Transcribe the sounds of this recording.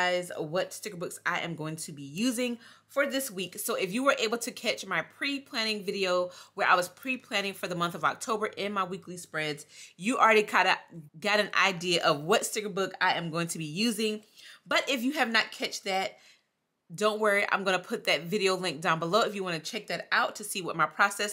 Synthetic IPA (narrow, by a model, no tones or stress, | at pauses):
ɪzʌ̰vwʌtstɪkə˞bʊksa̰ɪʔɨ̰̃mɡoʊɪ̃ŋtʰɨbijʉzɪ̃ŋ | fə˞ðɪswiksoʊɨfjɨwə˞ʔeɪbl̩ˠtʰɨkʰæt͡ʃmaɪpʰɹ̥ipʰl̥æ̃ñɪ̃ŋvɪɾioʊwə˞ʔa̰ɪwʌz̥pʰɹ̥ipʰl̥æ̃ñɪ̃ŋfə˞ðəmʌ̃nθʌvɑ̰k̚tʰoʊbə˞ʔɪ̃nmaɪwiklispɹɛdz̥jɨl̩ˠɹɛɾikʰãɪ̃ndɨɡɑɾɨ̃nʔa̰ɪdiɨʔʌvwʌtstɪɡə˞bʊkaɪʔɨ̃mɡoʊɪ̃ŋtʰɨbijʉzɪ̃ŋb̥ʌɾʔɪfjɨːvnɨt̚kʰɛt͡ʃðɨt̚ | d̥õʊ̃n̚wɜ˞iʔã̰ɪ̃mɡʌnəpʰʊt̪̚ðɨtvɪɾioʊlɪ̃ŋk̚d̥ãʊ̃nbəloʊɨfjɨwɑ̃ñɨt͡ʃʰɛk̚ðɨɾaʊtʰɨsiwʌt̚maɪpʰɹ̥ɑsɛs